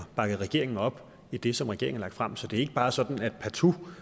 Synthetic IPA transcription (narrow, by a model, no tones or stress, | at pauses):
b̥ɑ̈ɡ̥əð̩ˠʁɛɡ̥e̝ɐe̝ŋn̩ɒ̽b̥ | id̥e̝sɒ̽mʁɛɡ̥e̝ɐ̰eŋn̩lɑ̈ɡ̥̚d̥fʁam̰sɒ̽d̥e̝æɐe̝ɡ̥əb̥ɑ̈ːsɒ̽d̥n̩æd̥pʰæt͡sʰu